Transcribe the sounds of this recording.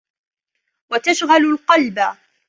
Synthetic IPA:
wat̪aʃɣalalqɑlba

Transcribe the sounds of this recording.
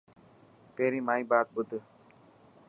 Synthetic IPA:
peɾimaibaːt̪̚bud̪ɯ

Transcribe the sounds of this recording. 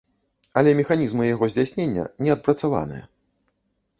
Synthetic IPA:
ɐlʲɛmʲɛxanʲizmɨjaɣɔzʲd͡zʲasʲnʲenʲːɐ̰nʲɛɐt̪̚pɾɐt̪sava̰nɨ̰jɐ̰

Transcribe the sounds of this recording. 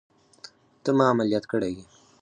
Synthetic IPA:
t̪əmɑːmaljat̪kəɽeɡi

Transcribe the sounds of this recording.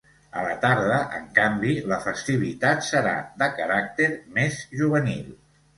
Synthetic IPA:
ə̰lət̪aɾðəʔəŋkambiləfəst̪iβ̞it̪at̪səɾa̰d̪əkəɾak̚t̪eɾmezʒuβ̞ənilˠ

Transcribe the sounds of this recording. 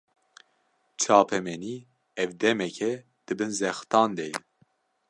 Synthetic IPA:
t͡ʃʰɑːpʰɛmɛniː | ɛvd̪ɛmɛkʰɛ | d̪̥ɨbɨnzɛxt̪ɑːnd̪ɛjɛ

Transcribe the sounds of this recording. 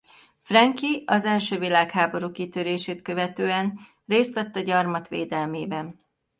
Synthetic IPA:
frɛŋkiɒzɛlʃøːvilaːkhaːbo̞ɾuːkit̪øɾeːʃeːt̪kø̞vɛt̪øːɛn | reːst̪ʋɛt̪ːɒɟɒrmɒt̪ʋḛːd̪ɛlmeːbɛn

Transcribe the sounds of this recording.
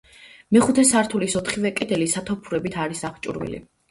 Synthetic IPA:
mɛχut̪ʰɛsaɾt̪ʰulisɔt̪ʰχivɛkʼɛd̪ɛlisat̪ʰɔpʰuɾɛbit̪ʰaɾisaχt͡ʃʼṵɾvḭlḭ

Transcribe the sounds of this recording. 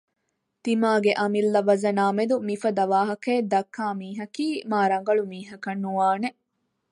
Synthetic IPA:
t̪imaːɡeʔɐmilːɐʋɐzɐnaːmed̪umifɐd̪ɐʋaːɦɐkeːd̪ɐkʰːaːmiːɦɐkiːmaːɾɐŋ̆ɡɐɭumiːɦɐkɐnːuʋaːne

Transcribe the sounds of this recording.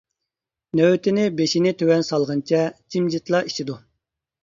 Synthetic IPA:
nøwt̪ʰɪnɪbeʃinɪt̪ʰøwɛnsɑlˠʁənt͡ʃʰɛt͡ʃʰimd͡ʒit̪lˠɑi̥ʃid̪u

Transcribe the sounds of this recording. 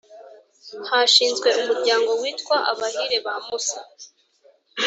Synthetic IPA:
haʃiːnzɡwe̞ʔumuɾɟaːŋɡo̞wiːtkwaʔa̰βahiɾeβamusḁ

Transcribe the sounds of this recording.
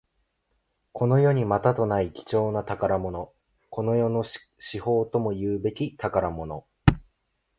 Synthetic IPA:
ko̞no̞jo̞ɲ̟imat̪at̪o̞naikʲi̥t͡ɕo̞ːnat̪akaɾamo̞no̞ | ko̞no̞jo̞no̞ | ɕiho̞ːt̪o̞mo̞jɯːbe̞kʲit̪akaɾamo̞no̞

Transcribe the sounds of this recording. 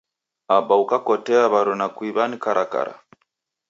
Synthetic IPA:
aɓaukakɔtɛaβaɾɔnakwiβanikaɾʔaka̰ɾa̰

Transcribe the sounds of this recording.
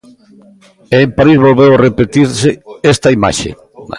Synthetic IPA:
eːmpaɾizβolβewarepet̪iɾseest̪ɐima̰ʃḛ

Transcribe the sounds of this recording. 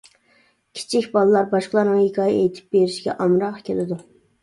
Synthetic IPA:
kʲʰi̥t͡ʃʰikʲbɑlˠɨlˠɑɾbɑʃqəlˠɑɾnɨŋhikʲʰɑːjɛʔejt̪ʰɪ̥p̚beɾɪʃiɡʲɛ̰ʔɑmɾɑqkʲʰelɪd̪u

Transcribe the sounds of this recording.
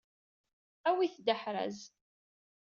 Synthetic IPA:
æwiθd̪əħɾæ̰z

